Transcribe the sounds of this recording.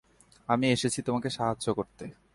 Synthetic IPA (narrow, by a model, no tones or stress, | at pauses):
amieʃet͡ɕʰit̪omakeʃaɦaːʑokoɾt̪e